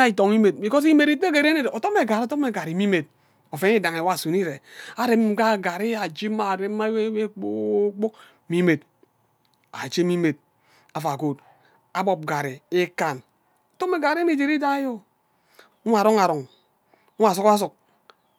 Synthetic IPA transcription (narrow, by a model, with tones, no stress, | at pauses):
a˦i˨to˨ŋi˦me˨t̚i˨ko˦s̬i˦me˨ɾi˦tke˨ɾe˦ne˦do˨to˦me˨ɡa˨ɾtɔ˦me˨ɡa˨ɾi˨mi˦me˨t̚ | o˨fe˨˦ŋi˦da˨ŋe˨wa˦˨su˨ni˦ɾe˨a˨ɾe˦m̩˦ɡa˦˨ɡa˨ɾi˦a˨d͡ʒi˦ma˦˨ɾe˦a˦e˦k͡po˦k͡po˦k | mi˦me˨t̚ | a̰˨t͡ʃe˦mi˦me˨t̚ | a˨fa˨ɡo˨t̚ | a˨bɔ˨p̚ɡa˨ɾi˨e˦ka˨n | o˨tɔ˦me˨ɡa˨ɾi˦ni˦d͡ʒe˨ɾi˦da˦jo˦ | u˦m˦a˨ɾo˦ŋa˨ɾɔ˨ŋ | u˦a˨su˦ka˦s̬u˨k̚